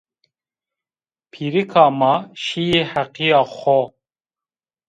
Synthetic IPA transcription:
pʰiɾikʰamaɕijehaqiaxo

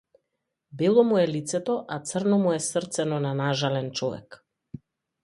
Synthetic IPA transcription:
belˠɔmuɛlit̪sɛt̪ɔʔat̪srnɔmuɛsərt̪sɛnɔnanaʒalɛnt͡ʃɔvɛ̰k

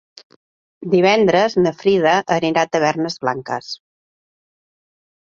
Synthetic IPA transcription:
d̪iβ̞ɛnd̪ɾəznəfɾiðəʔəniɾat̪əβ̞ɛrnəzβla̰ŋkəs

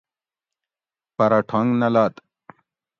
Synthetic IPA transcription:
pɐɾɐʈʰãŋɡnɐlaːt̪

